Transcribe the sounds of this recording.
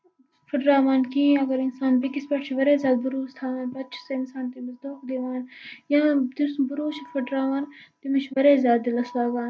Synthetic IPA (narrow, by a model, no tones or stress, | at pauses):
fʰɐɖɾaːʋaːnkĩːɐɡɐɾɪnsaːnbikispɐʈt͡ʃʰiʋɐɾeːzʲjaːd̪̚bʊɾuːst̪ʰaːʋaːnbɐtt͡ʃʰseɪnsaːnt̪imɐzd̪uːkd̪eʋaːnjãːd̪isbʊɾuːt͡ʃʰifʰɐɖɾaːʋaːnt̪imɐt͡ʃʰʋɐɾeːzjaːd̪̚d̪ilɐslaːɡaːn